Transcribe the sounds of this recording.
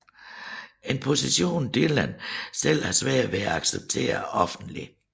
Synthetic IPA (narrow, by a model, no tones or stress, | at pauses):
e̝npʰo̝siɕo̝̰ːnd̥ilæn̰sel̰hɑ̈sʋɛ̰ɐʋe̝æɑ̈ɡ̥seb̥̚t͡sʰe̝̰ːɐɒ̽fn̩d̥li